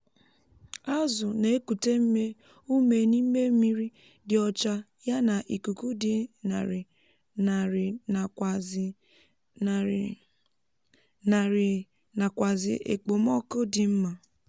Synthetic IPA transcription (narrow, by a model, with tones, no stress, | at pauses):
a˦zʊ˨ne˨e˦ku˨te˦m̩˦me˦ | u˦me˨ni˦m̩˦me˦m̩˦mi˦ɾi˦ | dɪ˨ɔ˨t͡ʃa˦ | ja˦na˨ʔi˨ku˨ku˦dɪ˦˨ | na˨ | na˨kʷa˨zɪ̰˨ʔḛ˨k͡po˨mɔ˦ko˦dɪ˨m̩˦ma˨